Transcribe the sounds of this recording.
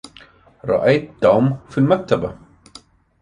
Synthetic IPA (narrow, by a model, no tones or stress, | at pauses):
ɾˤɑ̰ʔajt̪̚d̪awmfilmak̚t̪aba